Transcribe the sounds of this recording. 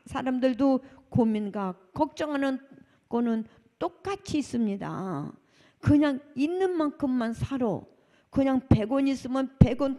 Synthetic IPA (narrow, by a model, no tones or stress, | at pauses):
sʰaɾamdɯɭdokominɡakʌk̚t͡ɕ͈ʌŋɦanɯn | konɯn | t͈ok̚k͈at͡ɕʰiːs͈ɯmɲida̰ | kɯɲaŋinːɯnmankʰɯmːansʰaɾo̰ | kɯɲaŋpe̞ɡoɲis͈ɯmɯnpe̞ɡon